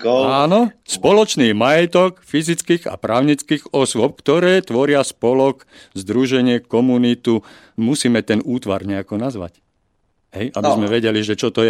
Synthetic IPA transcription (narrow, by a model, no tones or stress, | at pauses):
aːnɔspɔlɔt͡ʃniːmajɛt̪ɔkfizit͡skiːɣa̰pɾaːʊɲit͡skiːɣɔswɔp̚kt̪ɔɾɛːt̪ʋɔɾɪaspɔlɔk | zd̪ɾuʒɛɲɪɛkɔmunit̪u | musiːmɛt̪ɛnuːt̪ʋa̰ɾɲɛakɔnazʋa̰c | ɦɛ̰jʔabizmɛʋɛɟɛliʒɛt͡ʃɔt̪ɔjɛ